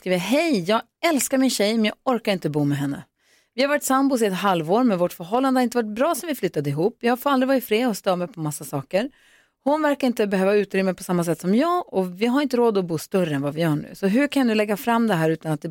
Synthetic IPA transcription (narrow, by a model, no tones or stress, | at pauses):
skɾiːvɦɛjjɑːɡ | ɛlskaɾmɪnɕɛjmɛnjɑːɡɔɾkaɾɪnt̪əbuːmɛɦɛnːə̰ | vɪhaɾvaʈːsambʊs̬ɪɛt̪ɦalvoːɾmɛnvɔʈfœɾɦɔlːand̪əhaɪnt̪əvaʈ̚bɾɑːsɔmvɪflʏt̪ːad̪əɪɦuːpːjɑːhaɡfɔɾald̪ɾɪvɑːɾɪt̪fɾeːɔst̪œːmɛjpʰɔmasːasɑːkəɾ | hʊnvæɾkaɾɪnt̪əbɛɦøːvaʉ̟ːt̪ɾʏmːəpʰɔsamːas̬ɛt̪ːsɔmjɑːɡɔvɪɦaɾɪnt̪əɾoːd̪ɔbuːst̪œɾːəɛnvavɪjœːɳʉ̰ːsɔɦɵkʰanjnd̪ɵlɛɡːafɾamːd̪ɛɦæːɾʉ̟ːt̪anat̪̚d̪ɛ